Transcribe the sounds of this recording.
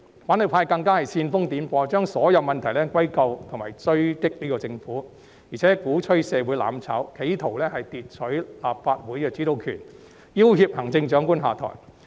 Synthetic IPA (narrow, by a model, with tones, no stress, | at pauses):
faː˨˥nhɵ˨˧wpʰaː˧jkɐ˧ŋkaː˥hɐ˨jsiː˧nfʊ˥ŋt̪iː˨˥mpɔː˧t͡ʃœː˥ŋsɔː˨˥jɐ˨˧wmɐ˨nt̪ʰɐ˨˩jlɛː˥kwɐ˥jkɐ˧wt̪ʰŋmaː˨˩jt͡sɵ˥ɥt̪ɪ˥k̚liː˥kɔː˧t͡sɪ˧ŋfuː˨˥ | jiː˨˩ɛː˨˦˥kuː˨˥t͡ʃʰɵ˥ɥsɛː˧wuː˨˥jla̰ː˨˥mt͡sʰa̰ː˨˥wkʰe˨˧˥jt̪ʰo˨˩wlɛː˥hɐ˨jt̪iː˨t̚t͡ʃʰɵ˨˥ɥlaː˨p̚faː˧t̚wuː˨˥jkɛː˨˧t͡siː˨˥t̪o˧wkʰy̰ː˨˩n | jiː˥whiː˧p̚hɐ˨˩ŋt͡sɪ˧ŋt͡ʃœː˨˥ŋkuː˥nɦa̰ː˨˩t̪ʰɔ̰˨˩j